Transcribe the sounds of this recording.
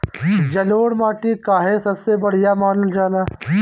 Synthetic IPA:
d͡ʒɐloːɽmaːʈikaːɦesɐbsebɐɽ̤ijamaːnəld͡ʒaːnaː

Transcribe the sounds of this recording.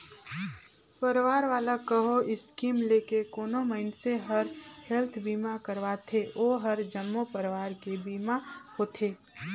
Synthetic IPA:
pəɾʋaːɾʋaːlakəɦoɪskiːmleːkekoːnoməɪnseɦɐɾhɛlt̪ʰbiːmakəɾʋaːt̪ʰeʔoːɦɐɾd͡ʒəmːopəɾʋaːɾkebiːmahot̪ʰeː

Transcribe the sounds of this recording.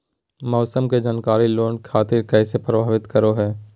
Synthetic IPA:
mɔːsəmked͡ʒaːnkaːɾiloːnkʰaːt̪ɪɾkɛːsepɾəbʱaːʋɪt̪kəɾoɦɛː

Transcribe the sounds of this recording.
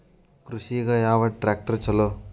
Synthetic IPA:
kɾuʃiɣɐjaːʋɐʈɾaːk̚ʈɐɾt͡ʃɐloː

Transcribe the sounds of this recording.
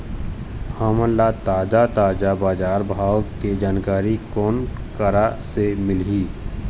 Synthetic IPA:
haːməlːat̪aːd͡ʒat̪aːd͡ʒabaːd͡ʒaːɾbʱaːwked͡ʒaːnkaːɾikɔːnkəɾasemɪlɦiː

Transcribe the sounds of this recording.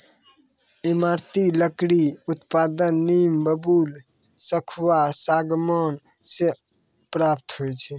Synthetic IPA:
imaɾt̪iləkɽiut̪pad̪ənːimbəbul | səkʰwasaɡmən | se | pɾap̚t̪ɦojt͡ʃʰɛ

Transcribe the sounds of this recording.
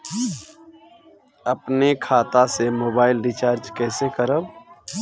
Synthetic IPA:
əpnekʰaːt̪asemoːbaːɪlɾɪt͡ʃaːɾd͡ʒkɛːsekəɾəb

